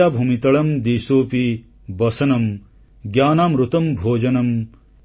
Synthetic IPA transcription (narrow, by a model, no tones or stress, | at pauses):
aːbʱumit̪ɐɭɐmd̪iːsoːpi | bɐsɐnɐm | ɡjaːnaːmɾut̪ɐmbʱoːd͡ʒɐnɐm